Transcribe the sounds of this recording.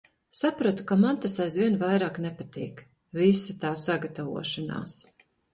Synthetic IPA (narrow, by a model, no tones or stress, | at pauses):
sapɾuɔt̪u̥kamant̪asajzviɛnvajɾaːknɛpat̪iːk | visit̪aːsaɡat̪avṵɔʃana̰ːs